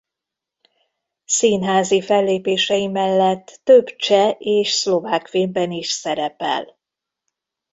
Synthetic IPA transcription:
siːnɦaːzifɛlːeːpeːʃɛjimɛlːɛt̪ːøbt͡ʃɛeːʃslo̞vaːkfeːmbɛniʃsɛɾɛpɛ̰l

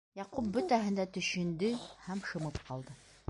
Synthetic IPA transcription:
jɑqup̚bɵt̪æɦɘ̆nd̪æt̪ɵ̆ɕɵ̆nd̪ɘhæmʃɤ̆mɤp̚qɑlˠd̪ɤ

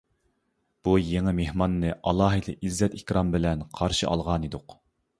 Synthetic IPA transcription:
b̥ujeŋɨmehmɑnːɨʔɑlˠɑːɦɨd̪ɨʔizːɛt̪ikʲɾɑmbɪlɛnqʰɑɾʃɨʔɑ̰lˠʁɑnid̪ʊq

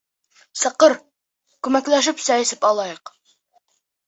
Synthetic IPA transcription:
sɤ̆qɤɾ | kʉmæklæʃ̬ɘpsæɘ̆sɘpɑlˠɑjɤq

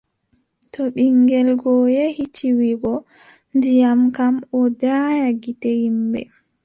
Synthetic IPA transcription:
tɔɓiŋɡɛlɡɔjehitʰiwiɡɔ | ndijamkamɔdajaɡitɛhimbɛ̰

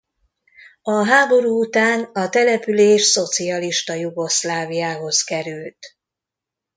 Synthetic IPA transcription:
ɒɦaːbo̞ɾuːut̪aːnɒt̪ɛlɛpyleːʃso̞t̪siɒliʃt̪ɒjuɡo̞slaːvijaːɦo̞skɛɾylt̪

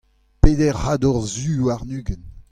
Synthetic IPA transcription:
peːd̪ɛʁhad̪ɔʁzyːaʁnyːɡən

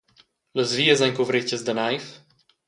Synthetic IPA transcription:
ləzviːəzaɲkuvɾɪcəzd̪ənajf

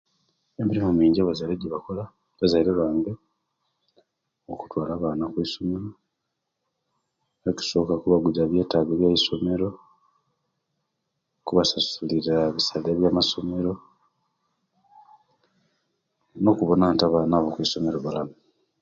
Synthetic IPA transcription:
emiɾimumiːɲɟaβazajɾeɟiβakola | βazajiɾelwaːŋɡe | oku̥twaːlaːβaːnakwiso̞meɾo | oki̥so̞kakuβaɡuzaβje̞ːtaːɡeβjajiso̞me̞ɾo̞ | kuβasasuliɾaβisaleβjaːmaso̞me̞ɾo̞ | no̞kuβo̞naːntaβaːnaβokwiso̞me̞ɾoβalamu

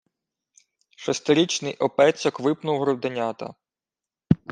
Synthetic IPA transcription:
ʃɔst̪ɪɾʲit͡ʃnɪjʔɔpɛt͡sʲɔkʋɪpnʊwɦɾɔwd̪ɪnʲat̪ɐ̰

